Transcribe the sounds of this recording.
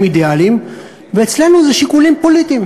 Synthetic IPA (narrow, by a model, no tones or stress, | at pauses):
mid̪ealim | veːt͡sle̞nuzeʃikulimpo̞lit̪im